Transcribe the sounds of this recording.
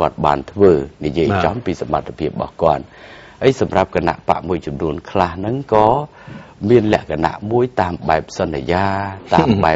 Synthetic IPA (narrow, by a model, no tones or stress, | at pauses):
kŏət̪̚ɓa̰ːnt̪ʰʋəːnijiəjt͡ɕɑmpiːsamːat̪ʰːapʰiəp̚ɓɑ̰hkŏət̪̚ʔəjsɑmrap̚kana̰ʔpa̰ʔmuəjt͡ɕɑmnuənkʰlahnɨŋkɑː | miənlɛ̆əʔkʰana̰ʔmuəjt̪aːmɓaɛp̚sɑnːijaːt̪aːmɓaɛ